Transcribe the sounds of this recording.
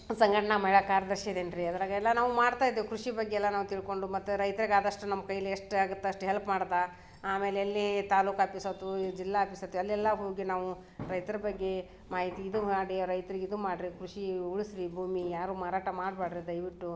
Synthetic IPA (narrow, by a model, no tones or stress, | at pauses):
sɐŋɡɐʈɐɳɐmɐɦiɭɐkaːɾjɐd̪ɐɾʃɐid̪eːɳɖɾiɐd̪ɐɾaːɡɐɛlːɐnaːʋumaːɽt̪aːjd̪ːekɾuʂibɐɡːeɛlːɐnaːʋut̪iɭko̞ɳɖumɐt̪ːuɾɐjt̪ɐɾiɡaːd̪ɐʂʈunɐmːɐkɐjleeʂʈaːɡut̪ːɐɐʂʈuɦelpmaːɽt̪ːa | aːme̞ːleɐlːit̪aːluːkaːpisɐt̪ːud͡ʒilːaːpisɐt̪ːuɐlːɛlːɐɦoːɡinaːʋu | ɾɐjt̪ɐɾɐbɐɡːe̞ | maːɦit̪iːd̪umaːɽiɾɐjt̪ɐɾiɡeid̪umaːɖɾikɾuʂiuɭisɾibʱuːmijaːɾuːmaːɾaːʈɐmaːɖbaːɖɾid̪ɐjʋiʈːu